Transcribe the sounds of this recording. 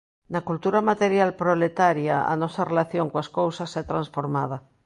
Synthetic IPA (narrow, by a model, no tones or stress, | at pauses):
nakult̪uɾamat̪eɾjalpɾolet̪aɾjaa̰nɔsarelaθjoŋkoaskowsasɛt̪ɾãnsfoɾmað̞a